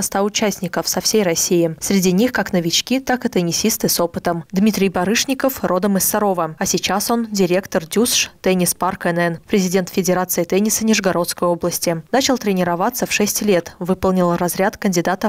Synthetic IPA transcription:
st̪aʊt͡ɕæsʲnʲɪkəfsɐfsʲejrɐsʲːijɪsɾʲɪdʲinʲixkaknəvʲɪt͡ɕkʲit̪akɨt̪ənʲɪsʲist̪ɨso̞pɨt̪əmd̪mʲit̪ɾʲɪjbɐɾɨʂnʲɪkəfro̞d̪əmɨsːɐɾo̞vəɐsʲɪt͡ɕaso̞ndʲɪɾʲe̞kt̪ərdʲusʂt̪ɛnʲɪsparkɛnɛnpɾʲɪzʲɪdʲe̞nt̪fʲɪdʲɪɾat̪sɨɪt̪ɛnʲɪsənʲɪʐɡɐɾo̞t̪skəjo̞blˠəsʲtʲɪnat͡ɕɪlˠt̪ɾʲɪnʲɪɾɐvat̪səfʂɛsʲtʲlʲe̞t̪vɨpəlˠnʲɪlˠɾɐzɾʲat̪kənʲdʲɪd̪at̪ə

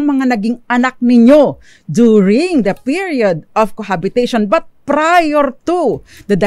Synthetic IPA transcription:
ŋmɐŋanɐɡiŋɐnak̚nɪɲo | d̪uɹɪŋd̪ɐpiɹiod̪̚ʔɔv̥kohabɪt̪eʃonbɐt̪̚pɾajɛɹt̪u | d̪ɐd̪ɛ

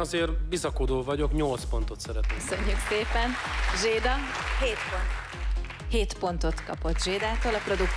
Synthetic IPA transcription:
ɒzeːrbizɒkod̪oːvɒɟo̞kɲo̞lt̪spo̞nt̪o̞t̪sɛɾɛt̪nesøɲːykseːpɛnʒeːd̪ɒɦeːt̪pont̪ | heːt̪po̞nt̪o̞t̪kɒ̰po̞t̪ʒeːd̪aːt̪oːlɒpro̞d̪uk

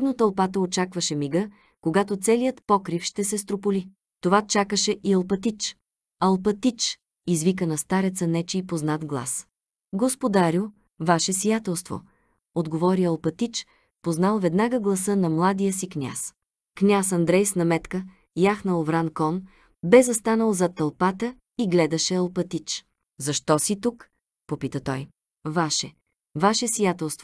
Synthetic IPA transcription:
d̪not̪ɐlˠpat̪əot͡ʃakvəʃɛmiɡə | koɡat̪ot̪sɛlijət̪pɔkɾifʃt̪ɛsɛs̬t̪ɾopoli | t̪ovat͡ʃakəʃɛʔiɐlˠpɐt̪it͡ʃ | ɐlˠpɐt̪it͡ʃ | izvikənɐst̪aɾɛt̪sənɛt͡ʃiipoznat̪ɡlˠa̰s | ɡospod̪aɾʲu | vaʃɛsijat̪ɛlˠst̪vo̰ | od̪ɡovɔɾiɐlˠpɐt̪it͡ʃ | poznalˠvɛd̪naɡəɡlˠɐsɤnɐmlˠad̪ijəsiknʲa̰s | knʲasɐnd̪ɾɛjsnɐmɛt̪kə | jaxnəlˠvɾankɔn | bɛzɐst̪anəlˠzɐt̪ɐlˠpat̪ə | iɡlɛd̪ɐʃɛɐlˠpɐt̪it͡ʃ | zɐʃt̪ɔsit̪uk | popit̪ət̪ɔj | vaʃɛ | vaʃɛsijat̪ɛlˠst̪vo

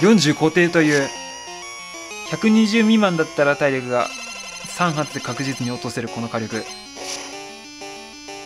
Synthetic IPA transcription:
jõ̞ɲ̟d͡ʑɨːko̞ːt̪e̞ːt̪o̞jɯ̟ː | çakɯ̟ɲ̟iʑɨːmʲimãnd̪at̪ːaɾat̪aiɾʲo̞kɯ̟ɡa̰sãɰ̃ɦat̪e̞kakɯ̟ʑit͡sɨɲ̟io̞t̪o̞se̞ɾɯ̟ko̞no̞kaɾʲo̞kɯ̟

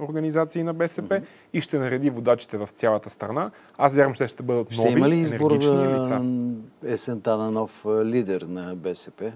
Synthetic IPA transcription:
oɾɡɐnizat̪siːnɐbɛsɛpɛ | iʃt̪ɛnɐɾɛd̪ivod̪at͡ʃi̥t̪ɛvɐft̪sʲjalˠət̪əst̪ɾɐna | asvʲjaɾvɐmt͡ʃt̪ɛʃt̪ɛbɤd̪ət̪nɔivimɐliiɛznɛɡbɡoɾizt͡ʃ̪əliaɛsɛnt̪anɐnɔflid̪ɛɾnɐbɛsɛpɛ

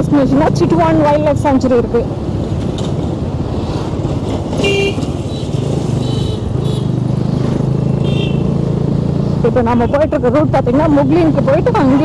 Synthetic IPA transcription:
sʈneːt͡ʃːɪŋɡɐnaːt͡ʃɪʈːʋaːnʋɐjlːɛksaːɲt͡ʃɐɾiɪɾɯkːɯ | ɪpːoːnɐmːɐpoːjɪʈːɪɾɯkːɐɾuːʈ̚paːɾt̪iːŋɡɐnaːmʊɡlinkːɯp̬oːjɪʈːɯɐŋɡ

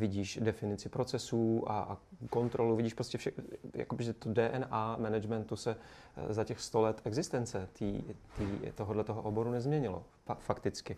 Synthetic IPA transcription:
vɪɟiːʃdɛfɪnɪt͡sɪpɾo̞t͡sɛsuːʔa̰ko̞nt̪ɾo̞luvɪɟiːʃpɾoscɛfʃɛja̰kobɪʒɛt̪odɛːʔɛnʔaːmɛnɛd͡ʒmɛnt̪usɛ | zacɛxst̪o̞lɛt̪ɛɡzɪst̪ɛnt͡sɛt̪ḭːt̪iːt̪oɦodlɛt̪oɦoʔobo̞ɾunɛzmɲɛɲɪlo̰ | fakt̪ɪt͡skɪ

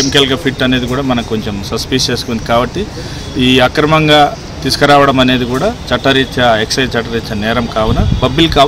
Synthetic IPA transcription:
emikelkɐpʰiʈːɐne̞ːd̪ikuːɽaːmɐnɐko̞ɲt͡ʃemsɐspist͡ʃeːskond̪ikaːbɐʈːi | iːɐkɾɐmɐŋɡaː | t̪iːsu̥kɐɾaːʋɐɽɐmɐne̞ːd̪ikuːɽaːt͡ʃɐʈːɐɾit͡ʃːɐeksɐjt͡ʃɐʈːɐɾit͡ʃːɐnɛːɾɐmkaːʋunɐbɐbilkaː

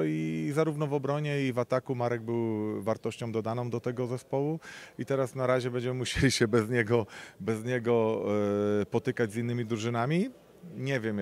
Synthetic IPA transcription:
izaɾuvnɔvɔbɾɔɲɛivat̪akumaɾɛɡ̚bɘwvaɾt̪ɔɕt͡ɕɔ̃w̃d̪ɔd̪anɔ̃w̃d̪ɔt̪ɛɡɔzɛspɔwuit̪ɛɾasnaɾaʑɛbɛɲd͡ʑɛmɘmuɕelʲiɕɛbɛzɲɛɡɔbɛzɲɛɡɔ | pɔt̪ɘkad͡ʑzinːɘmʲid̪ɾuʐɘnamʲi | ɲɛvʲjɛm

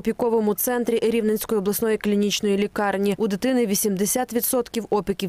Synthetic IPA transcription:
ɔpʲikɔʋɔmʊt̪sɛnt̪ɾʲiɾʲiwnenʲsʲkɔjiɔblˠɐsnɔjiklʲinʲit͡ʃnɔjilʲikɑrnʲiud̪ɪt̪ɪnɪʋʲisʲimd̪esʲat̪ʋʲid̪sɔt̪kʲiwɔpʲɪkʲiw

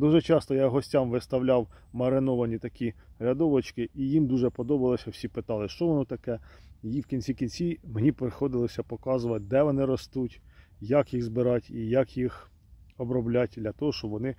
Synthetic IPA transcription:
d̪uʒɛt͡ʃɑst̪ɔjɑɦɔsʲtʲamʋɪst̪ɐwlʲɑwmɐɾɪnɔʋɐnʲit̪ɐkʲiɾʲɐd̪ɔʋɔt͡ʃkɪʔijimd̪uʒɛpɔd̪ɔbɐlˠɔsʲɐwsʲipɪt̪ɑlˠɪʃt͡ʃɔʋɔnɔt̪ɐkɛjiwkʲinʲt͡sʲikʲinʲt͡sʲimenʲipɾexɔd̪ɪlˠɔsʲɐpɔkɑzʊʋɐt̚ʲd̪ɛʋɔnɪɾɔst̪utʲ | jakjiɣzbɪɾɑtʲijakjix | ɔbɾɔblʲatʲd̪lʲɐt̪ɔɦɔʃt͡ʃɔbʋɔnɪ

